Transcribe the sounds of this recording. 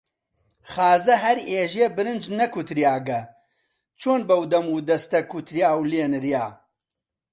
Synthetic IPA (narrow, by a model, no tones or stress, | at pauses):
χaːzɐɦɐɾeːʒeːbɨɾɨnd͡ʒnɐkʰut̪ɾijaːɡɐ | t͡ʃʰoːnbɐwd̪ɐmuːd̪ɐst̪ɐkʰut̪ɾjaːwleːnɨɾjaː